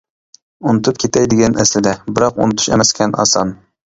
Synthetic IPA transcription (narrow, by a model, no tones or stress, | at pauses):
unɨt̪ʰup̚kʲʰet̪ʰɛjd̪ɪɡʲɛnʔɛslɪd̪ɛbɪɾɑqṵnɨt̪ʰu̥ʃḛmɛskʲʰɛnʔɑ̰sɑm